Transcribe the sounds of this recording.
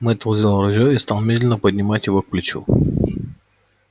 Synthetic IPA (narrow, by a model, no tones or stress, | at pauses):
mɛt̪vozilˠɾʊʒəist̪alˠmid̪ʲlʲɛnəpod̪ʲnʲimat̪ʲivɔk̚plʲit͡ʃṵ